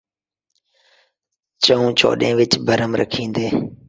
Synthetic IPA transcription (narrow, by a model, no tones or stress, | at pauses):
t͡ʃəũːt͡ʃʰo̰ːɗḛ̃ːʋɪt͡ʃbʱəɾəmɾə̰kʰĩːnd̪eː